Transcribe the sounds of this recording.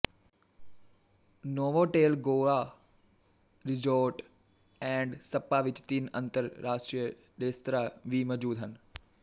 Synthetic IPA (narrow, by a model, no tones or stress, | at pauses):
noːʋoʈeːlɡoːɭa | ɾɪd͡ʒoːʈ | ɛ̃ːɳɖsɐpːaʋɪt͡ʃt̪inɐ̰̃nt̪əɾːaːʂʈɾijə | ɗeːst̪ɾaʋiːməd͡ʒuːd̪ɦən